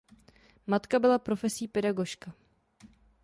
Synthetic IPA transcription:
mat̪kabɪlapɾofɛsiːpɛdaɡo̞ʃka

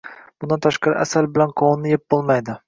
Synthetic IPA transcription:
b̥ʊnd̪ant̪ʰaʃqɑɾɪ̰ʔasalbɪlanqʰɒwnːɪjep̚bolˠmajd̪ɪ

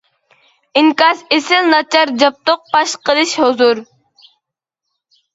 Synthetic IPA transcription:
ɪŋkɑsesɪlnɑt͡ʃʰɑɾd͡ʒɑp̚t̪oq̚pɑʃqəlˠɨʃhozuɾ

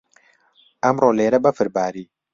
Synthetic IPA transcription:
amɾoleɾɐbɐfɨɾbaːɾi

